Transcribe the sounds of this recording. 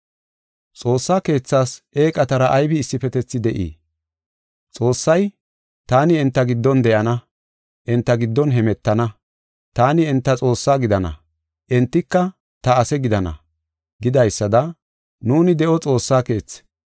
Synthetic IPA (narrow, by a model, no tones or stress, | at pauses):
t͡sʼo̞ːsːaːke̞ːt͡sːaːsʔe̞ːkʼɐt̪ɐɾɐʔɐjbɪːsːɪfɛt̪ɛt͡sːɪd̪ɛʔḭː | t͡sʼo̞ːsːɐj | t̪aːnɪɛnt̪ːɐɡɪd̪ːɔnd̪ɛʔɐnɐ | ʔɛnt̪ːɐɡɪd̪ːɔnɦɛmɛt̪ːɐnɐ | t̪aːnɪɛnt̪ːɐt͡sʼo̞ːsːaːɡɪd̪ɐnɐ̰ | ʔɛnt̪ːɪkːɐ | t̪ɐːsɛɡɪd̪ɐnɐ̰ | ɡɪd̪ɐjsːɐd̪ɐ | nuːnɪd̪ɛʔɔt͡sʼo̞ːsːaːke̞ːt͡sːɛ̥